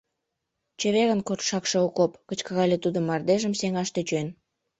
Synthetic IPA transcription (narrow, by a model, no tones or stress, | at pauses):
t͡ɕeβeɣənkort̪ʃɑkʃeokopkət͡ɕkɑɣɑlʲet̪ud̪ə̆mːɑrd̪eʒəmseŋɑʃt̪et͡ɕen